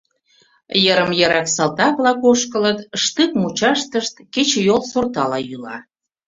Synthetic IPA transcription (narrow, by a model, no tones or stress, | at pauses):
jəɾəmjəɾɑksɑlt̪ɑβlɑkoʃkələt̪ʃt̪ɨkmut͡ɕɑʃt̪əʃt̪ket͡ɕejolsort̪ɑlɑjylɑ̰